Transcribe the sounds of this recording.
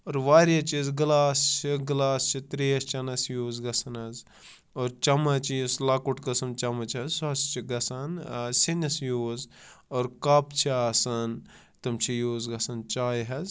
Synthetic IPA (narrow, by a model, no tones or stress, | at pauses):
oːɾʋaːɾjɐt͡ʃizɡlaːst͡ʃʰiɡlaːst͡ʃʰit̪ɾiɐst͡ʃɐnɐsjoːzɡɐsɐnɐz | oːɾt͡ʃɐmɐt͡ʃijislaːkuʈkɐsɐnt͡ʃɐmɐt͡ʃɐzsɐst͡ʃʰiɡɐsɐnsinɐsjoːzoːɾkaːpt͡ʃʰiɐsɐn | t̪ɐmt͡ʃʰijoːzɡɐsɐnt͡ʃaːjɦɐz